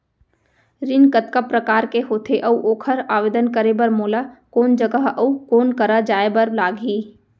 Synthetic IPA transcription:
ɾɪnkət̪kəpːɾəkaːɾkeɦoːt̪ʰeʔɐuʔoːkʰəɾaːʋeːd̪ənkəɾebɐɾmoːlakoːnd͡ʒəɡəɦɐukoːnkɐɾad͡ʒaːebɐɾlaːɡɦiː

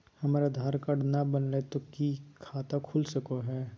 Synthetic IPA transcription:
hɐmaːɾad̪ʱaːɾkɐɽnabənlet̪okikʰaːt̪akʰʊlsɐkoɦɛː

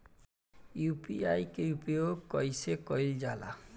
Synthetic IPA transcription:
jupiajkepiokɔjsekɔjld͡ʒala̰

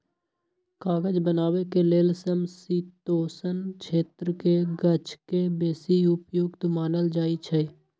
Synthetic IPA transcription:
kaːɡəd͡ʒbənaːwekeleːlsəmsiːt̪oːsənt͡ʃʰeːt̪ɾəkeɡət͡ʃkebeːsiʊpjoːɡt̪maːnəld͡ʒaːit͡ʃʰe

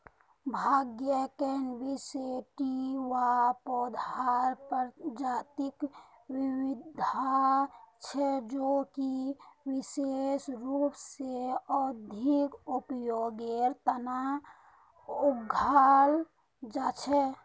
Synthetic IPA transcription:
bʱaɡjəkɛɦnbiseʈiʋapɔd̪ʱaɾpəɾd͡ʒaːt̪ik | wiwid̪ʱat͡ʃʰɛd͡ʒokiwisesɾupseɔd̪ʱikupjoɡeɾt̪əna | ʊɡʱal | d͡ʒat͡ʃʰɛ

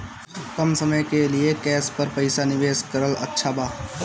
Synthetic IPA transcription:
kɐmsɐməjkeliekɛːspɐɾpɐɪsanɪʋeːskɐɾəlɐ̰tːʃʰabaː

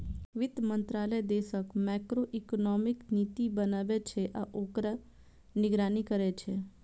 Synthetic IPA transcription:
ʋɪd̪mə̃nt̪ɾaːləjd̪eːsəkmɛkɾoʔiknɔmɪknit̪ibənaːʋet͡ʃʰeʔaʔoːkɾə | nɪɡɾaːnikəɾet͡ʃʰe

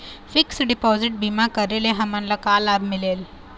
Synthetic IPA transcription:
fiksɖipɔziʈ̚bimakəɾelẽɦamanlakalabmileːl

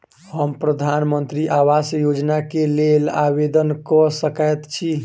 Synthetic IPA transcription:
həmpɾəd̪ʱanmənt̪ɾiʔawasjod͡ʒnakelelabed̪ənkɔsəkəjt̪t͡ʃʰi

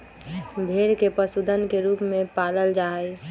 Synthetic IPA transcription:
bʱeːɽkepəsud̪ʱənkeɾuːpmẽpaːləld͡ʒaːi

